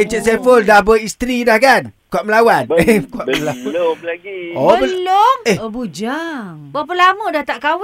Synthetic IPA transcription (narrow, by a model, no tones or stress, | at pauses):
et͡ʃəʔsefoldabəist̪ɾidahkankaʔ̚məlawankuaʔəlaɡioblomeobud͡ʒaŋbap̬əlamədaht̪aʔkaw